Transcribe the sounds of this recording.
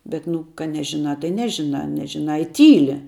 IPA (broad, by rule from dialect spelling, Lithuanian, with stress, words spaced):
bʲɛt ˈnʊ kɐ ˈnʲæːʒʲɪˌnɑː tɐɪ ˈnʲæːʒʲɪˌnɑː ˈnʲæːʒʲɪˌnɑː ɪ ˈtʲiːlʲɪ